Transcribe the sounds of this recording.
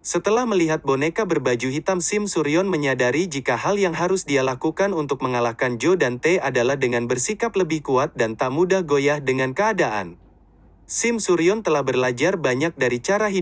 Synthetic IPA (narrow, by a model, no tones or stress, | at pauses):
sət̪əlahməliɦat̪̚bonekabərbad͡ʒuɦit̪amsɪmsuɾiɔnməɲadaɾid͡ʒikaɦaljaŋɦaɾʊsdialakukanunt̪ʊk̚məŋalahkand͡ʒodant̪eadalahdəŋanbərsikapləbɪhkuat̪̚dant̪amudahɡojahdəŋankəadaʔa̰n | sɪmsuɾiɔnt̪əlahbərlad͡ʒarbaɲak̚daɾit͡ʃaɾaɦi